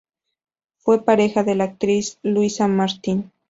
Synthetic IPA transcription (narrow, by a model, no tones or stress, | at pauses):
fwe̞paɾexaðelaːk̚t̪ɾisluisamaɾt̪in